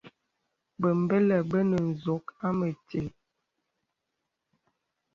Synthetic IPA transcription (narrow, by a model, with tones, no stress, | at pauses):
bə˨m̩˨bə˦lə˨bə˦nə˨n̩˨zo˨˦ka˦mə˨te˨